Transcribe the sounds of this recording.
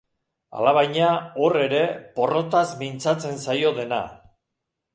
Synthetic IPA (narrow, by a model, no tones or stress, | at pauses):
a̰laβ̞ajɲao̞re̞ɾe̞po̞ro̞t̪azmint͡sat͡se̞nsajo̞ðe̞na̰